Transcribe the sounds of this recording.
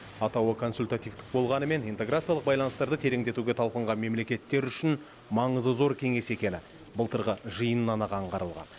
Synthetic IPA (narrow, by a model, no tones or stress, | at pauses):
ɑt̪ɑwəkʰo̞nsulʲt̪at̪ijft̪ɪ̥k̚bo̞lˠʁɑnəme̞nijnt̪e̞ɡɾat̪sialˠəq̚bɑjlˠɑnəst̪ɑɾd̪ət̪ʰe̞ɾe̞ŋd̪e̞t̪uɡʲe̞t̪ʰɑlˠpəɴʁɑnme̞mle̞kʲe̞t̪ːe̞ɾʏʃɪn | mɑɴəzəzo̞ɾkʲʰe̞ŋe̞se̞kʲe̞nɪ | bəlˠt̪əɾʁəʒəjənənɑnɑʁɑɴqʰɑɾəlˠʁɑ̰n